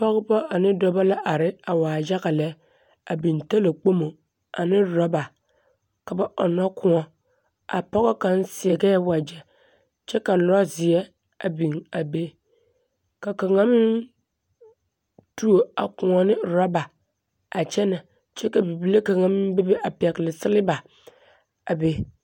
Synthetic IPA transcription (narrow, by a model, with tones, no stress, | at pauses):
pɔ˦ɣbɔ˦a˨nɪ˦dɔ˦ba˦la˦ʔa˨ɾɪ˦a˨waː˨d͡ʒa˦ɣa˨lɛ˦ | a˨bi˨nta˦la˨k͡po˦mo˨ | a̰˨nɪ˦ɾɔ˦ba˨ | ka˨ba˨ʔɔ˨nɔ˦kʊ̃˦ɔ˨ | a̰˨pɔ˦ɣɔ˦ka˨n˦sɪ˨ɛ˨ɡɛ˦wa˨d͡ʒɛ˨ | t͡ʃɛ˦ka˨lɔ˦zɪ˨ɛ˦ | a̰˨bi˨ŋa˨be˦ | ka˨ka˨ŋã˦m˦ | tu˦o˨a̰˨kʊ̃˨ɔ˨nɪ̃˦ɾɔ˦ba˨ | a˨t͡ʃʰɛ˦nɛ̃˨ | t͡ʃɛ˦ka˨bi˨bi˨˦le˦ka˨ŋã˦m˦be˦be˦ʔa˨pɪ˨a˨klɪ˨sɪ˦lɪ˦ba˨ | a˨be˦